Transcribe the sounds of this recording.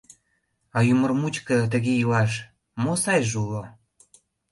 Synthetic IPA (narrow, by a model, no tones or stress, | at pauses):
ɑjumə̆rmut͡ɕkə̆t̪ə̆ɣeilɑʃ | mosɑjʒulo